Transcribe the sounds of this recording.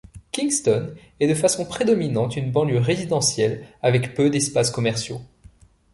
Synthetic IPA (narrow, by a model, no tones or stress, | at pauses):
kʲĩŋst̪ɔn | ɛd̪əfasɔ̃pχed̪ɔminɑ̃t̪ynbɑ̃ljøʁezid̪ɑ̃sjɛlavɛkpød̪ɛspaskɔmɛʁsjo